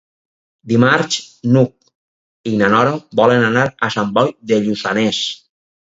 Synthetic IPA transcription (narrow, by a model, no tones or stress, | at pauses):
d̪imaɾt͡ʃnuk̚ | inanɔɾobɔlenanaɾasambɔjðeʎusa̰nes